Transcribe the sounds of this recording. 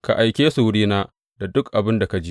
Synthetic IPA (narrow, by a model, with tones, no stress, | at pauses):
ka̰˨ʔa˨jkʲeː˦su˨wɽiː˦naː˦ | da˨dʊ˦kʔa˨bɪ˦nda˨ka˦d͡ʒiː˦